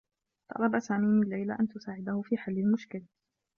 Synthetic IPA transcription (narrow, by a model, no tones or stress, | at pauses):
t̪ˤɑ̰ɾˤɑbasaːmiːmɪlːajlaʔant̪ʊsaːʕɪd̪ahʊfiːħalːɪlmʊʃkɪl